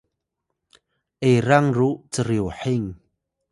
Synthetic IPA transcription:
ʔejɾaŋrut͡səɾiwħiŋ

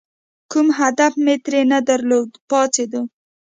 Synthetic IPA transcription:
kumɦad̪afmet̪ɾenad̪aɾlod̪pɑt͡sed̪u

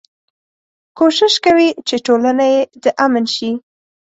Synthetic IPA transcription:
koʃɪʃkawit͡ʃeʈolanajed̪əʔamənʃi

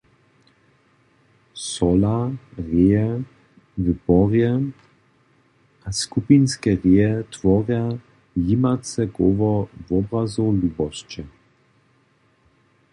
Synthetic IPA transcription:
sɔlaʁeːɛ | vəbɔʁjɛ | askupinskɛʁeːɛt̪ʋɔʁja | jimat͡sɛɡɔʋɔvɔbʁazuluːbɔst͡ʃɛ

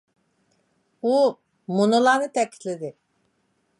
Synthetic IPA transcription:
u | munulˠanɯt̪ʰɛci̥t̪lʲed̪ɪ

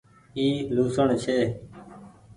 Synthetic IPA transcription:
iːluːsəɳt͡ʃʰeː

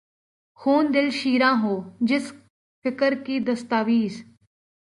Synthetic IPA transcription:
xuːnd̪ɪlʃiːɾãːɦoːd͡ʒɪs | fɪkəɾkiːd̪əst̪aːʋiːs

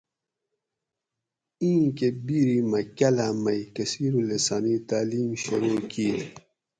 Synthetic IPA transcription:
ĩːkebiɾimɐkɐlamɐikɐsiːɾulesanit̪aːliːmɕuɾoːkiːd

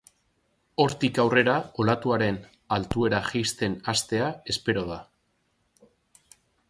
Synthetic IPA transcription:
o̞ɾt̪ikawre̞ɾao̞lat̪uaɾe̞n | alt̪ue̞ɾaxejst̪e̞nast̪e̞ae̞spe̞ɾo̞ð̞a

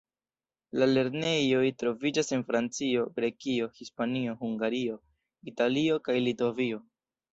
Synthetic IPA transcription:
lale̞ɾne̞jo̞jtɾo̞vid͡ʒase̞nfɾant͡sio̞ɡɾe̞kio̞hispanio̞huŋɡaɾio̞ | italio̞kajlitovio̞

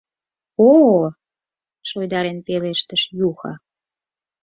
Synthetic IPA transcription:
o | ʃojd̪ɑɾenpeleʃt̪əʃjuxɑ̰

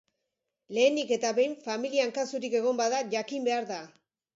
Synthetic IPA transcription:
le̞ːndike̞t̪aβe̞jɱfamiliaŋkasuɾike̞ɣ̞o̞mbaðaʝakimbe̞aɾða

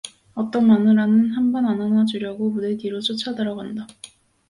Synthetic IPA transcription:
ʌt͈ʌnmanɯɾanɯnɦanbʌnananad͡ʑuɾjʌɡomudekiɾot͡ɕʰot͡ɕʰadɯɾʌɡanda

